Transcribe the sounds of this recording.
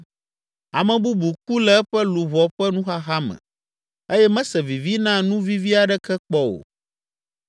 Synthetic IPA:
a˨mɛ̃˨bu˦bu˨k̚u˦lɛ˦ɛ˦ɸɛ˦lu˨βɔ˨ɸɛ˦nũ˦xa˦ɣa˦mɛ̰̃˨ | e˦jɛ˦mɛ̃˦sɛ˨vi˨vi˦nã˦nũ˦vi˦vi˦a˨ɖɛ˦kɛ˦k͡pɔ˦wo̰˨

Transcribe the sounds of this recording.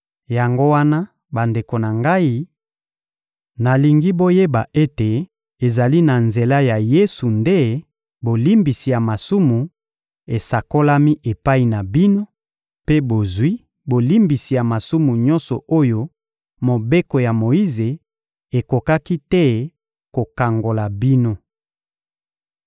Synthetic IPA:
ja˨ŋɡo˦wa˦na˦ | ba˨nde˨ko˨na˨ŋɡa˦i˦ | na˨li˨ŋɡi˦bo˦je˦ba˨ʔe˦te˨ | e˨za˨li˦na˨nze˨la˦ja˨je˦su˨nde˦ | bo˨li˦mbi˨si˨ja˨ma˨su˦mu˨ | e˨sa˨ko˦la˦mi˦ʔe˨pa˦i˨na˨bi˦no˦ | pe˦bo˨zwi˦ | bo˨li˦mbi˨si˨ja˨ma˨su˦mu˨ɲɔ̃˦nsɔ˨o˦jo˦ | mo˨be˦ko˨ja˨mo˨i˦ze˨ | e˨ko˨ka˦ki˦tɛ˦ | ko˨ka˨ŋɡo˨la˨bi˦no˦

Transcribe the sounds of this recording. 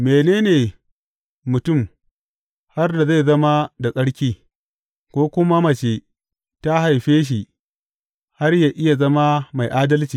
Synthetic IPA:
meː˨neː˦neː˨ | mʊ˨tʊ˦˨m | ha˦rda˨za˦˨jzɐ˦ma˦da˨kʼɐ˦ɽkʲiː˦ | kʷoː˦kʷʊ˦ma˦mɐ˨t͡ʃe˨ | ta˦ha˨jɸeː˦ʃ̬i˨ | ha˦rjaː˨ʔɪ˦ja˨zɐ˦ma˦ma˨jʔaː˦dɐ˦lt͡ʃiː˨

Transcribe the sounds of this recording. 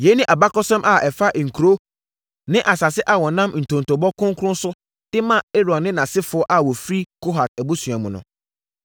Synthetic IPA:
je˨˦nɪ̃˦ʔa˨ba˦kɔ˦sɛ̃˦mʔa˨ʔɛ˨fa˦ʔŋ̩˨kʰu˨ɾo˦ | nɪ̃˦ʔa˨sa˨sɪ˦ʔa˨wɔ˨nã˦mn̩˨tʰõ˨n˨tʰɔ˨bɔ˦kʰʊ̃˦ŋkʰʊ̃˦n˦sʊ˦ | d̥ɪ˦mã˦˨e˦ɾɔ̃˨nːɪ̃˦nã˨sɪ˦fʊ˨ɔ˦ʔa˨wɔ˨fi˦ɾi˦kʰo˦ɦa˨tæ˨bu˦sɥa˨mʊ̃˨nʊ̰̃˨

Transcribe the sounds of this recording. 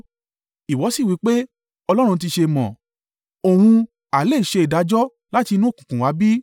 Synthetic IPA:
i˨wɔ˨˦si˦˨wi˨˧˦k͡pe˦ | ɔ˧lɔ˦ɾ̃ũ˧n̩˧ti˧ʃe˧mɔ̃˨ | o˨hũ˧ | a˨le˦˨i˨ʃe˧i˨da˨˦d͡ʒɔ˦ | la˦ti˧nũ˦˨kũ˨kũ˨wa˨˦bi˦

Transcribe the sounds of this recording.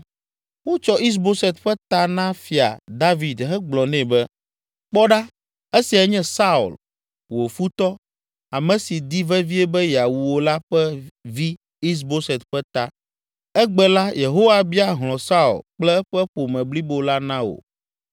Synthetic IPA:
wo˦t͡ʃɔ˦i˦s̬bo˦sɛ˨t̪ɸɛ˦t̪a˦nã˦fi˨a̰˨d̪a˦vi˨d̪ɦɛ˦ɡ͡blɔ˨nɛ̃˦˨bɛ˦ | k͡pɔ˦ɖa˦ | ɛ˦si˨a˦ɲɛ̃˦sa˦u˨l | wo˨fu˦t̪ɔ˦ | a˨mɛ̃˨si˨d̪i˦vɛ˦vi˦ɛ˦bɛ˦ja˨wu˨wo˦la˦ɸɛ˦vi˦ | i˦s̬bo˦sɛ˨t̪ɸɛ˦t̪a˦ | ɛ˦ɡ͡bɛ˨la˦je˨ɦo˦wa˨bi˦a˦ɦlɔ̃˨sa˦ṵ˨lk͡plɛ˦ɛ˦ɸɛ˦ɸo˨mɛ̃˨bli˦bo˦la˦nã˦o̰˨

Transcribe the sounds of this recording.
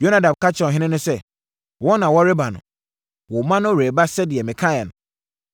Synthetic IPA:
jo˦na˦dã˨m˨ka˦t͡ɕʰɪ˦ɔ̃˨ɦɪ̃˦nɪ̃˦nʊ̃˦sɛ˦ | wɔ˦nã˨wɔ˦ɾɪ˦ba˨nʊ̰̃˨ | wɔ˨mã˦nʊ̃˦˨ɾe˨ba˦sɛ˦dɪ˨ɛ˨mɪ̃˨kʰa˦ja˨nʊ̃˨

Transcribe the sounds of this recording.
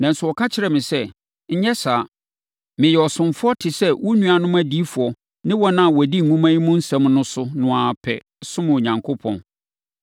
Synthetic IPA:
nã˨n̩˨sʊ˨wɔ˨kʰa˦t͡ɕʰɪ˨ɾɛ˨mɪ̃˨sɛ˦ | ɲ̩˦ɲɛ˦saː˨ | mɪ̃˨jɛ˨ɔ˨sʊ̃˨mfʊ˦ɔ˦tʰɪ˨sɛ˦wɔ˦nũ˦a˨nʊ̃˦mæ˦di˦fʊ˨ɔ˨ | nɪ̃˦wɔ˦nã˦˨wɔ˨di˦ŋ̩˨ŋũ˦mã˦ji˦mʊ̃˦n̩˦sɛ̃˦mnʊ̃˦sʊ˦nʊ̃˨a˨pʰɛ̰˨ | sʊ̃˦mʊ̃˨ɲã˨ŋkʰo˦pʰɔ̰̃˨n

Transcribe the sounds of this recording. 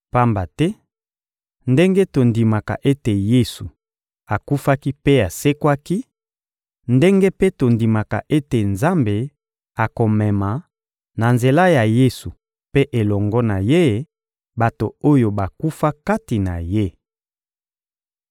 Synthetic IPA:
pa˦mba˨tɛ˦ | nde˦ŋɡe˦to˨ndi˨ma˨ka̰˨ʔe˦te˨je˦su˨ | a˨ku˦fa˦ki˦pe˦a˨se˦kwa˦ki˦ | nde˦ŋɡe˦pe˦to˨ndi˨ma˨ka̰˨ʔe˦te˨nza˦mbe˨ | a˨ko˨mɛ˨ma˨ | na˨nze˨la˦ja˨je˦su˨ | pe˦ʔe˨lɔ˨ŋɡɔ˦na˨je˦ | ba˨to˨o˦jo˨ba˨ku˦fa˦ka˦ti˨na̰˨je˦

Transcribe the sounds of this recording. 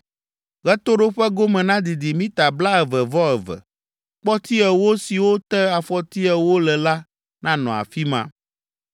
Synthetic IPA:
ɣɛ˦t̪o˦ɖo˦ɸɛ˦ɡo˦mɛ̃˨nã˦d̪i˨d̪i˨mĩ˦t̪a˨bla˦ɛ˨vɛ˨vɔ˦ɛ˨vɛ̰˨ | k͡pɔ˦t̪i˦ɛ˨wo˦si˨wo˦t̪ɛ˦a˨fɔ˨t̪i˦ɛ˨wo˦lɛ˨la˦ | nã˦nɔ̃˨a̰˨fi˦mã̰˦

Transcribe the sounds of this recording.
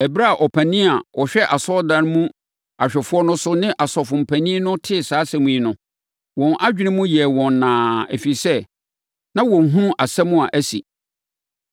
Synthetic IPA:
ɛ˨bɾa˦a˨ʔɔ˨pʰæ˨nĩ˦a˨wɔ˨ɕᶣɛ˦ʔa˨sɔ˦dã˦˨n˦mũ˦ | a˨ɕᶣɛ˨fʊ˦ɔ˦nʊ̃˦sʊ˦nɪ̃˦ʔa˨sɔ˨fʊ̃˨m̩˨pʰæ˨nĩ˦nʊ̃˦tʰɪ˦˨saː˨˦sɛ̃˦mũ˦i˦nʊ̃˨ | wɔ̃˨nʔa˦d͡ʑᶣɪ˦nɪ̃˦mũ˦jɛ˨wɔ̃˨nːãː˨ɛ̰˨fi˨sɛ˦ | nã˦wɔ̃˨n˨ɦũ˦a˨sɛ̃˦mʊ̃˦a˨ʔæ˦sḭ˨

